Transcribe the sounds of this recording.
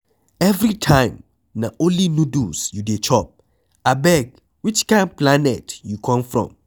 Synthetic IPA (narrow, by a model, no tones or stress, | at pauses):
ɛvɹitʰãɪ̃m | naʔõnlinudusjudet͡ʃʰɔp̚ | abɛɡ | wit͡ʃkãnplanɛtjukʰɔ̃mfɹɔ̰̃m